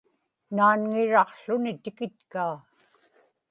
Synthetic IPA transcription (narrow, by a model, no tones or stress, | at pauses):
naːnŋɪɻɑqɬʊnɪt̪ɪkɪt̪̚kaː